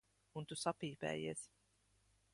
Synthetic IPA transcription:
unt̪usapiːpɛ̰ːjiɛs

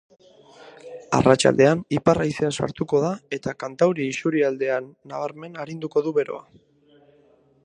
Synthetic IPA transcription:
a̰rat͡ʃa̰ld̪e̞aniparajseasa̰ɾt̪uko̞ð̞ae̞t̪akant̪awɾiːsuɾiald̪e̞anːaβ̞aɾme̞naɾind̪uko̞ðuβe̞ɾo̞̰a

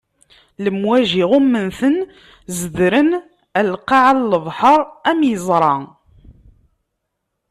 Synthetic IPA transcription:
ləmwæʒiʁumːənθən | zəðɾən | ælqɑʕalːəðˤħəɾˤæmjəzˤɾˤɑ

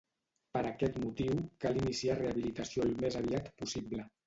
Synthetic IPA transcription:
pəɾakɛt̪mut̪iwkalinisiareaβilit̪əsiolmezaβiat̪pusiblə

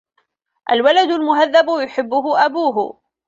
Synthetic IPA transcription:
ʔalwalad̪ʊlmʊɦaðːabjʊħɪbːʊɦʊʔabuːɦʊ̰

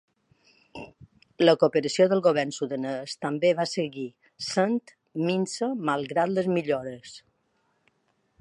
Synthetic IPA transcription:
ləkopəɾəsioðəlˠɣoβɛrnsuðənəst̪əmbeβasəɣi | sənt̪ | minsəmalˠɣɾat̪ləzmiʎoɾəs

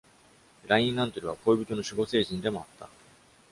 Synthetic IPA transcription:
ɾaĩŋãnt̪oɾʲiβ̞akʰo̞ibʲit̪ono̞ɕɨɡo̞se̞ːʑĩnd̪e̞mo̞at̪ːa̰

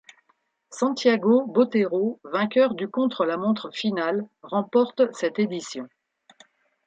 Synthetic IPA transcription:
sɑ̃t̪jaɡobot̪eʁovɛ̃kʲœʁd̪ykɔ̃t̪χəlamɔ̃t̪χəfinalʁɑ̃pɔʁt̪sɛt̪ed̪isjɔ̃

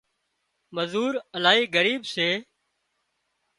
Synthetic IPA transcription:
məzuːɾəlaːɦiːɡəɾiːbseː

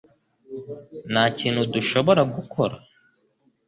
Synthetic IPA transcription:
naːciːnhuduʃo̞βo̞ɾaɡukʰo̞ɾa̰

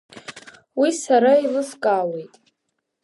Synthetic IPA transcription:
wisaɾailɨskʼawe̞jtʼ

